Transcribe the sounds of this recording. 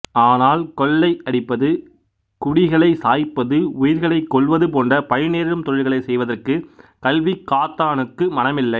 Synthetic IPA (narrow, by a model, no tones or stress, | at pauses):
aːnaːlkɔɭːɐɪʔɐɽɪpːɐðɯ | kʊɽɪɣɐɭɐɪsaːjpːɐðɯʊjɪɾɣɐɭɐɪkːɔɭʋɐðɯpoːndrɐpɐɻɪneːɾɾɯmt̪ɔɻɪlɣɐɭɐɪsɛjʋɐðɐrkɯkɐlʋɪkːaːt̪ːaːnɯkːɯmɐnɐmɪlːɐɪ